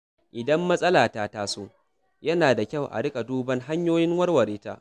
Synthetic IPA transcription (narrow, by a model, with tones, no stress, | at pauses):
ʔɪ˨dɐ˦mːɐ˦sʼɐ˦laː˨taː˦taː˦soː˦ | jɐ˦naː˨da˨kʲɐ˦˨wʔa̰˨ɽɪ˦kʼa˨duː˦bɐ˦ŋɦa˦ɲjoː˦jɪ˦ŋwɐ˦rwɐ˨ɾiː˦ta̰ː˦